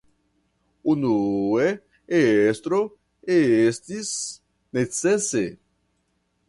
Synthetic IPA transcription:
unue | eest̪ɾo | eest̪is | net͡sese

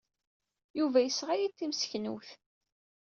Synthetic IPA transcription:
juvæjəsʁajit̪ːimsə̥çnṵθ

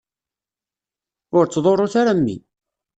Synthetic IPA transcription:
ʊɾt͡sːðˤoɾˤoθaɾamːḭ

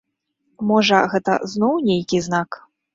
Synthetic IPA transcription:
mɔʐɐɣɛt̪ɐ̰znɔwnʲejkʲiznak

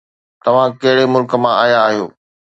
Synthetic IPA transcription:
t̪ɐʋ̤ãkɐɦɪɽemʊlkə̆mãaːjaːɦijo̰ː

